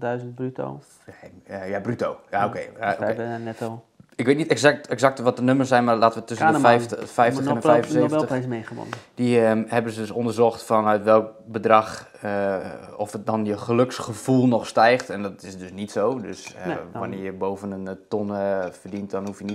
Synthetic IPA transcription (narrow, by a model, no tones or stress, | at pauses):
dœɥzəntbryto̰ | jabrytowjaokeakenɛtɔ | ɪkʋeːt̚nitɛksak̚tɛksak̚tʋɔt̚dənøməsɛjnmarlaːtəʋətøsənfɛjftfɛjftəɛnɛnfɛjəseɛlɛsmeːχəʋɔ̰nd̥ihɛbənsədøsɔndərzɔxtfɔnœɥtʋɛlˠkbədrax | ɔfdɔnjəχəløksχəvulˠnɔχstɛjxtɛndɔtɪsdøsnitsoːdøsʋanɪjəboːvənəntɔnfərdintdɔnhufjənit